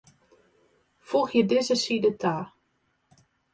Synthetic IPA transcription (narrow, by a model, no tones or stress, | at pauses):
foxjədɪzəsidətʰaː